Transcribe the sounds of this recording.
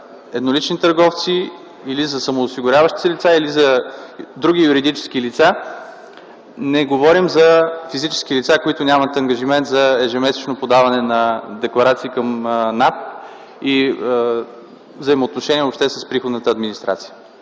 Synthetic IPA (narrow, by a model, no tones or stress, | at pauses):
ɛd̪nolit͡ʃnit̪əɾɡɔft̪si | ilizɐsɐmoːsiɡʊɾʲavəʃt̪i̥t̪ɛlit̪sailizɐd̪ɾuɡ̟ʲijuɾid̪it͡ʃɛ̥skilit̪sa | nɛɡovɔɾimzɐfizit͡ʃɛ̥sk̟ilit̪sakoit̪ʊnʲamɐt̪ɐŋɡəʒimɛnt̪zɐɛʒɛmɛsɛ̥t͡ʃnopod̪avɐnɛnɐd̪ɛklˠɐɾat̪siːkəmnat̪ | i | vzəimoːt̪noʃɛniɛvopʃt̪ɛsəspɾixod̪nət̪əːd̪minist̪ɾa̰t̪sijə